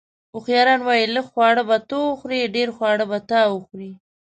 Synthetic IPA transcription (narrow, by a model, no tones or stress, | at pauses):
ʊxjɑɾɑnwɑjiləkxwɑɽəbat̪oʊxɾiɖeɾxwɑɽəbat̪ɑwʊxɾi